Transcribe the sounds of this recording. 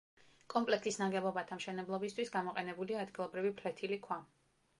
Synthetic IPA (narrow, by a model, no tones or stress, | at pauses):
kʼɔmpʼlɛk̚ʰt̪ʰʼisnaɡɛbˠɔbat̪ʰamʃɛnɛblˠɔbist̪ʰwisɡamɔqʼɛnɛbuliaːd̪ɡilˠɔbɾivipʰlɛt̪ʰilikʰwa